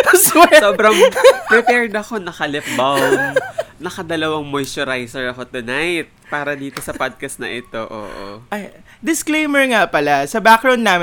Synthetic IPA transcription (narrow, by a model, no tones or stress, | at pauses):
swɛsoːbɾɐŋpɾɛpɛːɹd̪ɐko̞nɐkɐlɪp̚bawmnɐkɐd̪ɐlɐwɐŋmojsʊɾajsɛɹt̪ʊnajt̪̚paːɾɐd̪iːt̪o̞sɐpad̪̚kɐst̪nɐ̰ʔɪt̪o̞ʔo̰ːʔʔo̰ʔɐj | d̪ɪsklejmɛɹŋapɐlasɐbakɾɐw̃nd̪ːaːmɪ